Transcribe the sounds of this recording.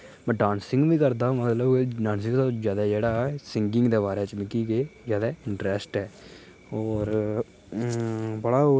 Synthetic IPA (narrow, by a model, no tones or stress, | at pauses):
pəɖãːnsɪ̃ŋɡʋĩːkəɾd̪aːmət̪ləbkɖãːnsɪ̃ŋɡt̪ozjaːd̪aːd͡ʒeːɽaːsɪŋɡɪ̃ŋɡd̪eːβaːɾeːt͡ʃmɪkiːkezjaːd̪aːɪ̃ɳʈɾɛsʈɦɛː | ɔːɾ | bəɽaː